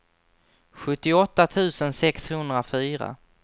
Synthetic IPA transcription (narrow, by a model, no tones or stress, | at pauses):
ɧɵt̪ːɪɔt̪ːat̪ʰʉ̟ːsənsɛkshɵnd̪ɾafyːɾa̰